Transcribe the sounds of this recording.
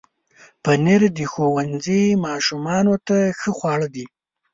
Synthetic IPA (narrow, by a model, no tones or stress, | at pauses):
pəneɾd̪ixowanzimɑʃumɑnot̪axəxʷwɑɽəd̪i